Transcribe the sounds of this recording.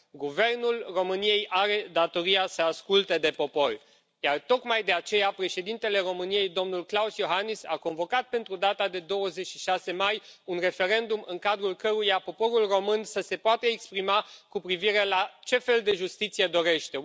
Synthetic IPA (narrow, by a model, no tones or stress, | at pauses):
ɡuve̞rnulro̞mɨnije̞jʔaɾe̞d̪at̪o̞ɾijasəaskult̪e̞d̪e̞po̞po̞rʲ | jart̪o̞kmajd̪e̞at͡ʃe̞japɾe̞ʃe̞d̪int̪e̞le̞ro̞mɨnije̞jd̪o̞mnulklausjo̞ɦanisa̰ko̞nvo̞kat̪̚pe̞nt̪ɾud̪at̪ad̪e̞d̪o̞wəze̞t͡ʃʃiʃase̞majunre̞fe̞ɾe̞nd̪umɨŋkad̪ɾulkəɾujapo̞po̞ɾulro̞mɨnsəse̞poat̪əekspɾimakupɾiviɾe̞lat͡ʃe̞fe̞ld̪e̞ʒust̪it̪sije̞d̪o̞ɾe̞ʃt̪e̞